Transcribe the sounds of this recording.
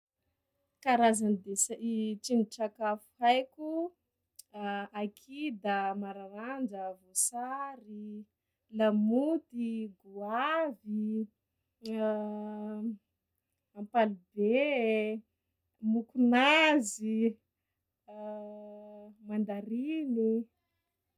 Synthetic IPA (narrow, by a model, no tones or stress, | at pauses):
kaɾazanid̪esaʔiʈ͡ʂiniʈ͡ʂakafu̥ajku | akʰid̪əmaɾaɾand͡ʒəvosaɾi | lamut̪iɡuavi | ampalibe | mukunazi | mand̪aɾini